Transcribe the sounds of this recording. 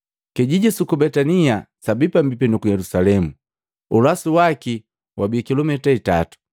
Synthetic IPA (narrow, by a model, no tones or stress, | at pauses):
kɛɟiɟɛsukubɛtaniasabipam̩bipɛnɔkujɛlusalɛmu | ulasuwaki | wʔabiɛkilɔmɛtaita̰tu̥